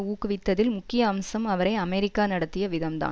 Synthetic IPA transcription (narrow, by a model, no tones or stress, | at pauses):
uːkːɯʋɪt̪ːɐðɪlmʊkːɪjɐːmsɐmɐʋɐɾɐɪɐmɛɾɪkːaːnɐɽɐt̪ːɪjɐʋɪðɐmt̪a̰ː